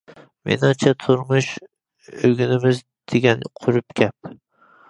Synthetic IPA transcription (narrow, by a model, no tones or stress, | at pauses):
mʔḛnat͡ʃʰat̪ʰʊɾmʊʃ | oɡʲɪnɪmɪz | d̪̥eɡʲanqʰʊɾɪp̚kʲʰap̚